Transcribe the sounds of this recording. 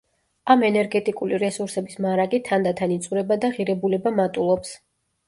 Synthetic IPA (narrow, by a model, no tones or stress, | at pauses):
amɛnɛɾɡɛt̪ʼikʼuliɾɛsuɾsɛbismaɾaɡit̪ʰand̪at̪ʰanit̪sʼuɾɛbad̪aʁiɾɛbulɛbamat̪ʼulˠɔps